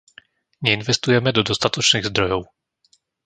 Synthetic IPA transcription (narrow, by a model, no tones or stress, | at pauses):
ɲɛinvɛst̪ujɛmɛd̪ɔd̪ɔst̪at̪ɔt͡ʃniɣzd̪ɾɔjɔw